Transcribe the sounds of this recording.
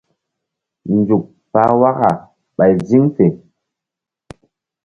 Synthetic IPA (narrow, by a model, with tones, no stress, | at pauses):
n˨d͡zu˨k̚ | fa˨˦wa˦ka˨ | ɓa˨jzi˦ŋfe˨